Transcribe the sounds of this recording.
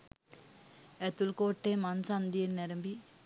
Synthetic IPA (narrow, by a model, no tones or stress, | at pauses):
ɛt̪ulkoːʈːeːmansand̪ijenːɛɾɐmbi